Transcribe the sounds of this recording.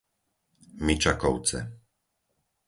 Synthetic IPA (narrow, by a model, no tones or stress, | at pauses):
mit͡ʃakɔʊt͡sɛ̰